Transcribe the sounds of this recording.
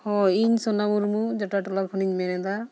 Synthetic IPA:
hɔiɲsɔnamuɾmud͡ʒaʈaʈɔlakʰɔniɲmɛnɛd̪a

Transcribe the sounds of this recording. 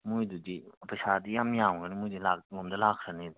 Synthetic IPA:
mujdudipajsadijamjamɡanimujdilaklɔmdɐlakʰɾanid

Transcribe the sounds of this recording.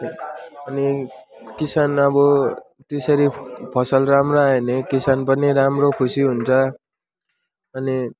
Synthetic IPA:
ʌnikisanʌbʌ | t̪esʌɾipʰʌsʌlramroaenekisanpʌniɾamrokʰusiɦunt͡sʰʌ | ʌni

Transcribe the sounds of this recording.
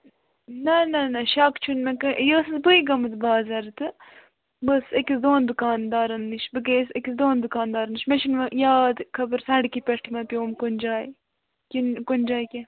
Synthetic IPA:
nɐnɐnɐʃakt͡ʃʰunmekɐjəːsɨzbɨiɡɐmɨt̪baːzɐɾt̪ɨ | bəsekʲisd̪oːnd̪ukaːnd̪aːɾɐnːiʃbɨk̬eːsekʲisd̪oːnd̪ukaːnd̪aːɾɐnɨʃmet͡ʃʰinʋɐjaːd̪kʰɐbɨɾsɐɳɖkipʲɐʈʰimɐpʲjoːmkond͡ʒaːj | kʲinkonʲd͡ʒaːjkʲe

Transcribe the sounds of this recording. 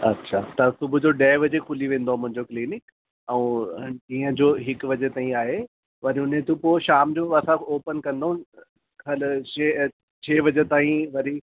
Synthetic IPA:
ɐ̰tːɕʰaːt̪ɐsʊbʱʊd͡ʑoɖɛːʋɐd͡ʑekʰʊliʋẽːnd̪oamʊ̃ɦɪ̃ɲd͡ʑokliːnɪk | ɛũd͡ʑĩːə̃d͡ʑoːɦɪkʋɐd͡ʑet̪aːĩaːɦe | ʋɐɾiʊnɦẽt̪ũpoːʃaːmd͡ʑoːɐsãoːpənkɐ̃nd̪oũ | kʰɐle | t͡ɕʰeːʋɐd͡ʑet̪aːĩʋɐɾi

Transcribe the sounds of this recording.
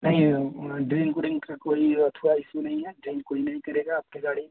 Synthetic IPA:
nɐɦĩɖɾiːnkuɾɪŋkakoːiɐt̪ʰʋaɪsunɐɦĩɦɛɖɾiːnkoːinɐɦĩkɐɾeːɡaːp̚keɡaːɽi

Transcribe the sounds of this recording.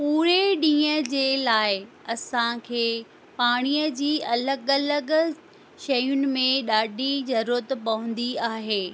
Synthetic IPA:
puːɾeɗĩːəd͡ʑeːlaːɪɐsãkʰeː | paːɽ̃iːəd͡ʑiːɐləɡɐləɡ | ʃɐjʊnɪ̆mẽɗaːɖʱizɐɾuːɾət̪pɐɦʊ̃nd̪iaːɦeː

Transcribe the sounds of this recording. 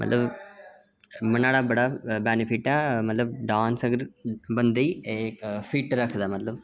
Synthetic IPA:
mɐt̪lɐʋ | mɐnːaːɽaːbɐɽaːbenifiʈːaːmɐt̪lɐʋɖaːnsɐɡɐɾbɐnd̪i | fiːʈːɾaːkɯd̪amɐt̪lɐm

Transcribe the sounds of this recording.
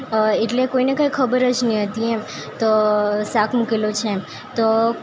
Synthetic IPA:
eʈlekoinekə̃ikʰəbəɾət͡ʃnĩɦət̪iem | t̪osakʰmukelot͡ʃʰem | t̪o

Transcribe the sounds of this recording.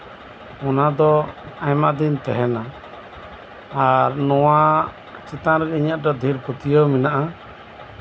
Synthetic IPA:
ɔnad̪ɔajmaʔd̪int̪ɛ̰ɦɛna | aɾnɔwa | t͡ʃit̪anɾɛiɲaʔ̪̚dɔd̪ʱiɾput̪ijɔminaʔa

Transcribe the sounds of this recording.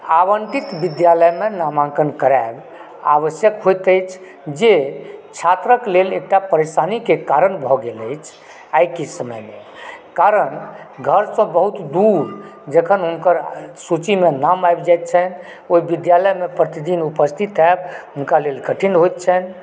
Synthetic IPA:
abəɳʈit̪bid̪jaləjmenamãŋkənkəɾab | aʋəsjəkɦojt̪əjt͡ʃʰ | d͡ʒet͡ʃʰat̪ɾəklelek̚ʈapəɾesanikekaɾənbʱɔɡeləjt͡ʃʰ | ajkesəməjme | kaɾən | ɡʱəɾsə̃bəɦut̪d̪uɾd͡ʒəkʰənɦunkəɾsut͡ʃimenamajbd͡ʒajt̪̚t͡ʃʰən | oibid̪jaləjmepɾət̪id̪inupəst̪ʰit̪ɛbɦunkalelkəʈʰinɦojt̪̚t͡ʃʰən

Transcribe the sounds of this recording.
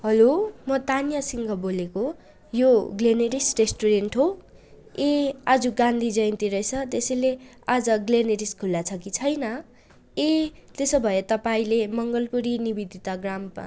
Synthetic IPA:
ɦʌlomʌt̪anjasiŋɡʱʌboleko | joɡleneɾisresʈuɾenʈɦo | ead͡zuɡãnd̪ʱid͡zʌjnt̪iɾʌjt͡sʰʌt̪esʌjle | ad͡zʌɡleneɾiskʰulːat͡sʰʌkit͡sʰʌjnʌ | et̪esobʱʌjet̪ʌpaĩlemʌŋɡʌlpuɾinibid̪ʱit̪aɡrama̰

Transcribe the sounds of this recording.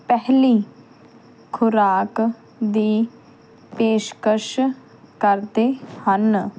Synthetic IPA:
pɛɦliː | kʰʊɾaːk | d̪iː | peːʃkəʃ | kəɾt̪ehən

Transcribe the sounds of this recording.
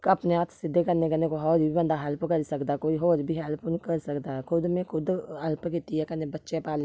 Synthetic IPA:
kɐpneaːt̪ʰsɪd̪ʱːekəɾnekənekoɦɔːɾibʱibə̃nd̪aɦɐlpkəɾsəkd̪akoːiɦoːɾbʱiɦɛːlponkəɾsəkd̪aɦɛkʰʊd̪mẽkʰʊd̪ɐlpkɪt̪iɦɛkənẽbətːʃepaːlẽ

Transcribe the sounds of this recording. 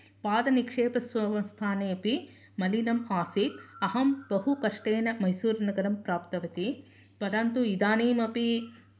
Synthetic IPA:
paːd̪ɐnikʂeːpɐsɐʋɐmst̪ʰaːneːɐpi | mɐlinɐmaːsit̪ɐɦɐmbɐɦukɐʂʈeːnɐmɐjsuːɾnɐɡɐɾɐmpɾaːp̚t̪ɐʋɐt̪i | pɐɾant̪uid̪aːneːmɐpi

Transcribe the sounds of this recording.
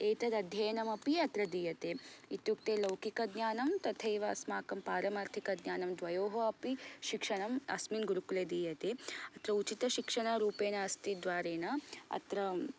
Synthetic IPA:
eːt̪ɐd̪ɐd̪ʱjɐjɐnɐmɐpiɐt̪ɾɐd̪iːjɐt̪eːit̪juk̚t̪eːlɐwkikɐd̪ɲaːnɐmt̪ɐt̪ʰɐjʋaːsmaːkɐmpaːɾɐmaːɾt̪ʰikɐd̪ɲaːnɐmd̪ʋɐjoːɦɐɐpiʃikʂɐɳɐmɐ̰sminɡuɾukuleːd̪iːjɐt̪eːɐt̪ɾɐut͡ʃit̪ɐʃikʂɐɳaɾuːpeːnɐɐst̪id̪ʋaːɾeːnɐɐ̰t̪ɾɐ

